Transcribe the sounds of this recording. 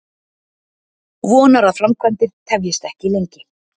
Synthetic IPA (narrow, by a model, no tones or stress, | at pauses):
vɔːnaɾaðfɾamkʰvant̪ɪɾ̥t̪ʰɛvjɪst̪ɛhcɪilejɲcɪ